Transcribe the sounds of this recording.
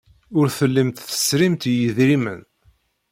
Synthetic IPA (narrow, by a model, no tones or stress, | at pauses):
ʊɾθəlːəmt̪θə̥sɾimt̪jəðɾimə̰n